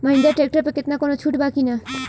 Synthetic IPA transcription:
maɦind̪aɾʈɾek̚ʈoɾpeket̪nakonot͡ɕʰuʈbakina

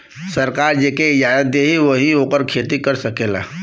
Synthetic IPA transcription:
sɐɾkaːɾd͡ʒeːkeɪd͡ʒaːjət̪̚d̪eːɦiʋɐɦioːkəɾkʰeːt̪ikɐɾsɐkeːla̰ː

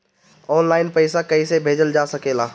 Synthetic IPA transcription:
ɔːnlaːɪnpəɪsakɐisebʱeːd͡ʒəld͡ʒaːsɐkeːlaː

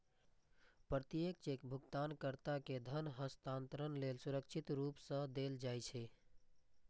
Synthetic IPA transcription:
pɾət̪ijek̚t͡ʃekbʱuɡt̪ankəɾt̪aked̪ʱənɦəst̪ant̪ɾənlelsuɾəkt͡ʃʰit̪ɾupsə̃d̪eld͡ʒajt͡ʃʰɛ

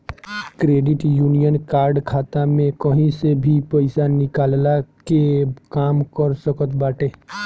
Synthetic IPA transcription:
kɾeːɖɪʈjuːnijənkaːɾɖkʰaːt̪amẽkəɦĩsebʱipɐɪsanɪkaːllakekaːmkəɾsəkət̪baːʈeː

